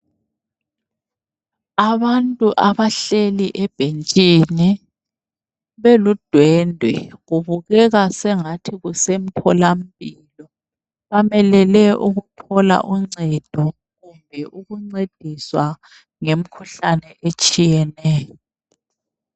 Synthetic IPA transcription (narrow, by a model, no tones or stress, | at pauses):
aβantʼuʔaβaɬeliʔɛb̥ʱent͡ʃʼini | βelud̥ʱwɛndʱwɛ̰ɣuβuɣɛɣasɛŋatʰiɣusem̩tʰɔlam̩bi | lɔ | βamɛlɛlɛʔuɣutʰɔla̰ʔuŋ͡ǀɛd̥ʱɔ | ɣumbʱɛʔuɣuŋ͡ǀed̥ʱiswa | ŋem̩kʰuɬanɛʔet͡ʃʼijɛnɛːjɔɔ